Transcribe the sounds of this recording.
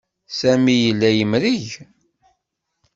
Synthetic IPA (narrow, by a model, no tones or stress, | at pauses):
sæmijəlːæjəmɾiʝ